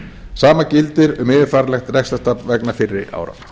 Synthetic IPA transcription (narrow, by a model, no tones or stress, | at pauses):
saːmacɪlt̪ɪɾʏmɪːðɪfaːɾalɛxt̪rɛxst̪ast̪apvɛknafɪrːɪʔa̰ːwɾa̰